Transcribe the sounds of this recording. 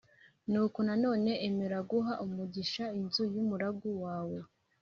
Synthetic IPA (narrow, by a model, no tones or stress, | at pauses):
nuːkonano̞ːne̞ʔːmeɾaɡuɦaʔumuɟiʃainzujumuɾaɡuwaːwe̞